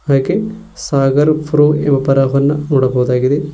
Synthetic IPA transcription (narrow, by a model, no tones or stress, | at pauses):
aːke | saːɡɐɾpʰɾoːembɐpɐɾaɦɐnːɐnuːɽɐboːd̪aːɡid̪e